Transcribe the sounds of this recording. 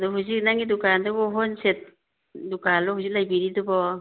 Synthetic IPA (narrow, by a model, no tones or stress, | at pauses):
adɔɦuzik̚naŋidukandɔbɔɦɔnset̚ | dukalɔhuzik̚lajbiɾidɔbɔ